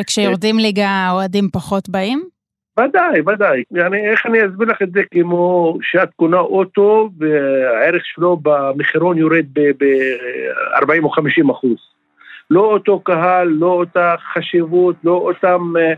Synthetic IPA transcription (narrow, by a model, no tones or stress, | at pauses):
vekʃejoʁd̪imliɡaoadimpaχo̞t̪baim | vad̪ajvad̪ajanieχaniazbiʁlaχet̪zekemo̞ʃeat̪kunaʔot̪o̞veaeɾeχʃelo̞bamiχiɾonjoɾed̪̚bebe | a̰ʁbaimoχamiʃimaχuz | lo̞ot̪o̞kaɦalːoot̪aχaʃivut̪loʔot̪am